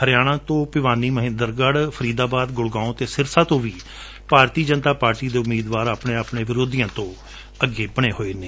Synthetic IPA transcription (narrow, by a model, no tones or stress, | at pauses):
həɾɪjaːɽ̃ãːt̪õːpɪʋaːniːməɦɪ̃nd̪əɾɡəɽpʰəɾiːd̪aːbaːd̪ɡʊɽɡãːõt̪eːsɪɾsãːt̪õːʋiː | paːɾt̪iːd͡ʒənt̪aːpaːɾʈiːd̪eːʊmːiːd̪ʋaːɾaːpɳẽːaːpɳẽːʋɪɾoːd̪ijãːt̪õː | əɡeːbəɽ̃eːɦoːeːneː